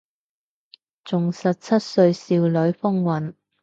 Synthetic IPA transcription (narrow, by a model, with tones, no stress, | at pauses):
t͡sʊ˨ŋsɐ˨t̚t͡sʰɐ˥t̚sɵ˧ɥsiː˧wlɵ˨˥ɥfʊ˥ŋwɐ˨˥n